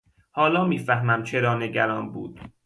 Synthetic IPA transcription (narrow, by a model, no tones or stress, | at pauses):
hɒːlɒːmiːfæhmæmt͡ʃʰeɾɒːne̞ɟæɾɒːnbṵːd̪̥̚